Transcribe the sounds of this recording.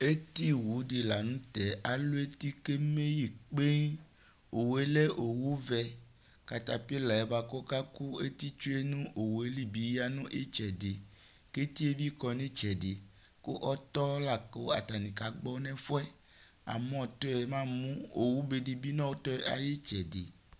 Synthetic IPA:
e˦t̪i˦wu˨˦ɖe˨la˨nũ˦t̪ɛ˨a˨lu˦e˦t̪i˦ke˦me˦ji˨k͡pe˦ | o˨we˦le˦ʔo˨wu˦vɛ˨ | ka˨t̪a˨pi˦e˦la˨ɛ˨ba˨kɔ˦ka˦ku˦e˦t̪i˦t͡ʃu˦e˦nũ˦ʔo˨wu˨e˦li˦bi˨ja˦nũ˦ʔe˦t͡ʃɛ˨de˨ | ke˦t̪i˦e˦bi˦kɔ˨nĩ˦t͡ʃɛ˨de˨ | ko˦ʔɔ˦t̪ɔ˦la˨ko˨a̰˨t̪a˨nĩ˨ka˨ɡ͡bɔ˦nɛ̃˦fɔ˦ɛ˦ | a̰˨mɔ̃˦˨t̪ɔ˦ɛ˨mã˦mũ˦o˨wu˦be˨di˨bi˦nɔ̃˦wo˦t̪ɔ˦a̰˨je˦t͡ʃɛ˨de˨

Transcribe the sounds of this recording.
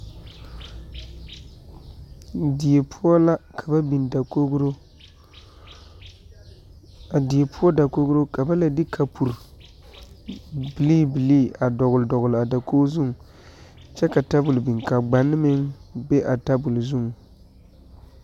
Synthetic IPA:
di˨e˨pʰɔ˦la˦kʰa˨ba˦bi˨nda˨ko˦ɡɾo˦ | a˨di˨e˨pʰʊ˦ɔ˦da˨ko˦ɡɾo˦ka˨ba˦la˨dɪ˦kʰa˨pʰu˨ɾ | bi˨liː˦bi˨liː˦a˨dɔ˨ɣʊ˨ldɔ˨ɣʊ˨la˨da˨koː˦zʊ˦ŋ˨ | t͡ʃɛ˦ka˨ta˦bʊ˨lbi˨ŋka˨ɡ͡ba˨nːɪ˦mɪ˦ŋbe˦ʔa˨ta˦bʊ˨lzʊ˦˨ŋ˨

